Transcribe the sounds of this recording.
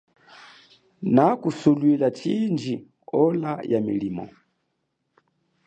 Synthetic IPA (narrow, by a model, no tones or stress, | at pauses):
nakusulwilat͡ʃind͡ʒi | ɔlajamḭlimɔ̰